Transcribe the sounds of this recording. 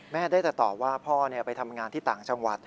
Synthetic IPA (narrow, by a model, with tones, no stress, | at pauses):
mɛː˥˩daː˥˩jt̪ɛ˨˩t̪ɔ̰ː˨˩p̚waː˥˩pʰɔː˥˩ni˥˩ɐpa˧jt̪ʰa˧mŋaː˧nt̪ʰiː˥˩t̪aː˨˩ŋt͡ɕa˧ŋwa˨˩t̪̚